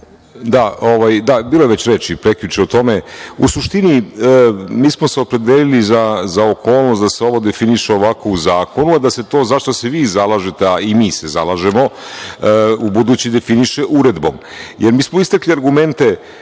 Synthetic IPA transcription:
d̪aoʋajd̪abiːlojeʋet͡ɕɾe̞t͡ʃipɾe̞kljut͡ʃeot̪o̞meṵsuʃt̪ini | miːsmoseopɾe̞d̪eːlilizazaokʰo̞ːlˠnost̪d̪aseo̞ʋo̞d̪e̞finiʃeo̞ʋako̞uzaːko̞nuad̪aset̪o̞ːzaʃt̪oseʋiːzalˠaːʒet̪eaimiːsezalaːʒe̞mo̞ | ubud̪uːt͡ɕid̪e̞finiʃeʔuɾe̞d̪bo̞̰mjʔeɾmiːsmo̞ist̪akliaɾɡume̞nt̪e̞

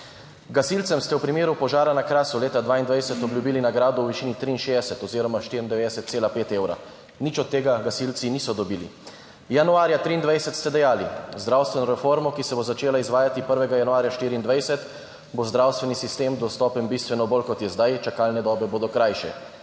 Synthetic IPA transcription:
ɡasilt̪sɛmst̪ɛwpɾimeːɾupɔʒaːɾanakɾaːsuleːt̪ad̪ʋaːind̪ʋajsɛt̪ɔblʲjubiːlinaɡɾaːd̪uwʋiʃiːnit̪ɾiːnʃeːd̪ɛsɛt̪ɔziːɾɔmaʃt̪iɾind̪ɛʋeːd̪ɛsɛt̪seːlapeːt̪eːwɾa̰ | nit͡ʃɔt̪ːeːɡaɡasilt̪sinisɔd̪ɔbiːlḭ | januaːɾjat̪ɾiːnd̪ʋajsɛt̪st̪ɛd̪ɛjaːlizd̪ɾawst̪ʋɛnɔɾɛfoɾmɔkisɛbozat͡ʃeːlaizʋaːjat̪ipəɾʋɛɡajanuaːɾjaʃt̪iːɾiːnd̪ʋajsɛt̪ | bozd̪ɾawst̪ʋɛnisist̪eːmd̪ɔst̪ɔːpənbist̪ʋɛnɔbolkɔt̪jɛzd̪ajt͡ʃakaːlnɛd̪ɔːbɛboːd̪ɔkɾajʃɛ̰

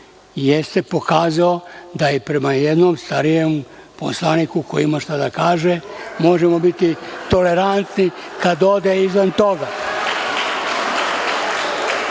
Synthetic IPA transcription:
jest̪e̞po̞kaːzaod̪ajepɾe̞majed̪nomst̪aɾijem | po̞̰slˠanikuko̰jiimaʃt̪ad̪akaːʒemo̞ʒemo̞bit̪it̪o̞le̞ɾant̪nikad̪od̪eizʋant̪o̞ɡa

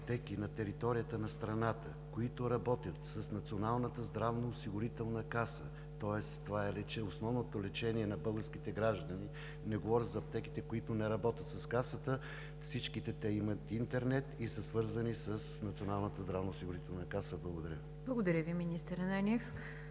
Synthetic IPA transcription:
pt̪ɛkinɐt̪ɛɾit̪ɔɾijət̪ənɐst̪ɾɐnat̪ə | koit̪ʊɾɐbɔt̪ʲjət̪səsnɐt̪sionalˠnət̪əzd̪ɾavnoːsiɡʊɾit̪ɛlˠnəkasə | t̪ɔɛst̪ːovaɛlɛt͡ʃɛosnɔvnot̪olɛt͡ʃɛniɛnɐbɤɡəɾskit̪ɛɡɾaʒd̪əni | nɛɡovɔɾʲəzɐop̚t̪ɛki̥t̪ɛkoit̪ʊnɛɾɐbɔt̪ʲət̪sɐskasət̪ə | fsit͡ʃkit̪ɛt̪ɛimət̪int̪ɛɾnɛt̪isəsvɤɾzənisəsnɐt̪sionalˠnət̪əzd̪ɾavnoːsiɡʊɾit̪ɛlˠnəkasəblˠɐɡod̪ɐɾʲə | blˠɐɡʊd̪ɐɾʲəviminʲist̪əɾnɛnʲif

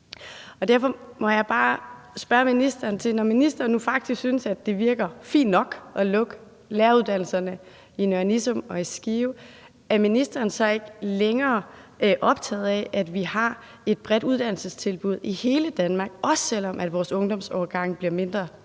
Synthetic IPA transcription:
ɒ̽d̥æɐfɒ̽mɒ̽jɑ̈ɪb̥ɑ̈ːsb̥ɶɐminisd̥ɐːnt͡sʰe̝lnɒminisd̥ɐːnːufɑ̈ɡ̥̚d̥isɡ̥synsæd̥e̝ʋiɐɡ̥ɐfḭːnːɒ̽ɡ̥ʔɒ̽lɔ̽ɡ̥ | læːɐuðˠd̥æn̰l̩sɐnə | inøɐnisɔmɒ̽isɡ̥iːʊ | æɐminisd̥ɐːn̩sɒ̽e̝ɡ̥əleŋɐːʔɒ̽b̥̚t͡sʰɛ̰ːð̩ˠɛʔæd̥ʋihɑ̈ | e̝d̥̚b̥ʁɛd̥uð̞ˠd̥æn̰l̩səst͡sʰe̝lb̥uð̞̰ˠihe̝ːləd̥ænmɑ̈ːɡ̥ʔɒ̽sːel̰ɒ̽mʔæd̥ʋɒːsɔ̽ŋd̥ɒ̽msɒːɡ̥ɑ̈ŋ̰b̥liɐme̝nd̥ʁɐ

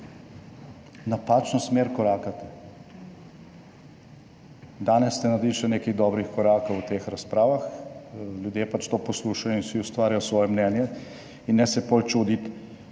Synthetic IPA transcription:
napaːt͡ʃnɔsmeːɾkɔɾaːkat̪ɛ | d̪aːnɛst̪ɛnad̪iʃɛneːkiɣd̪ɔːbɾixkɔɾaːkowt̪eːxɾaspɾaːʋax | ljud̪jeːpat͡ʃt̪oːpɔsluːʃajɔinsiust̪ʋaːɾjajɔsʋɔːjɛmnɛːnjɛ | inːɛsɛpolt͡ʃuːd̪it̪

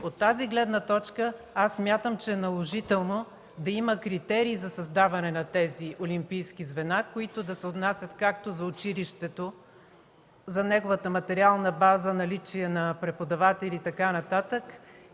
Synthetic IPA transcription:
ot̪ːaziɡlɛd̪nət̪ɔt͡ʃkə | asːmʲjat̪əmt͡ʃɛːnɐlˠoʒit̪ɛlˠno | d̪ɐiməkɾit̪ɛɾiːzɐsɐzd̪avɐnɛnɐt̪ɛziʔolʲimpijsk̟izvɛnakoit̪ʊd̪ɐsɛot̪nasʲɐt̪kak̚t̪ozɐot͡ʃiliʃt̪ɛt̪o | zɐnɛɡovət̪əmɐt̪ɛɾialˠnəbazənɐlit͡ʃiɛnɐpɾɛpod̪ɐvat̪ɛlit̪ɐkanɐt̪at̪ək

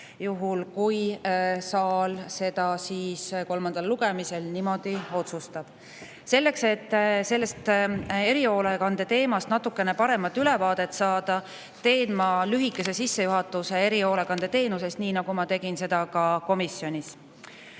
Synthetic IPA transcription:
juɦulkujsɑːlse̞d̪̥ɑsiːsko̞lmɑnd̪ɑlːuɡ̥e̞mise̞lnimo̞d̪̥io̞t̪sust̪ɑb̥ | se̞lːe̞kse̞t̪ːˑse̞lːe̞st̪e̞ɾio̞ːlekɑnd̪e̞t̪e̞ːmɑst̪nɑt̪ːˑukːˑe̞nepɑɾe̞mɑt̪ːˑyle̞vɑːd̪̥e̞t̪ːsɑːd̪̥ɑ | t̪e̞ːnmɑlyɦikːˑe̞se̞sisːe̞juɦɑt̪ːˑusee̞ɾio̞ːle̞kɑnd̪̥e̞t̪e̞ːnuse̞st̪niːnɑɡ̥umɑt̪e̞ɡ̥inse̞d̪̥ɑkɑko̞misjo̞nʲis

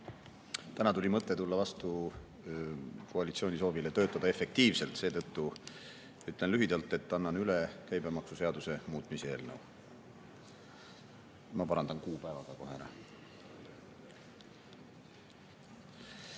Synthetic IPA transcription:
t̪ænɑt̪ulʲimɤt̪ˑːe̞t̪ulːɑvɑst̪u | kʰoɑlʲit̪sio̞ːnʲis̬o̞ːvilet̪øːt̪ːˑɑd̪ɑe̞fe̞k̚t̪iːvse̞lt̪se̞ːt̪ɤt̪ːu | yt̪le̞nlyɦid̪̥ɑlt̪ːˑe̞t̪ːɑnːɑnylekæjbemɑksuse̞ɑd̪use̞muːt̪ˑmise̞ːlnə̰w | mɑpɑɾɑnd̪ɑnkuːpæevɑɡ̥ɑko̞ɦeɾɑ̰

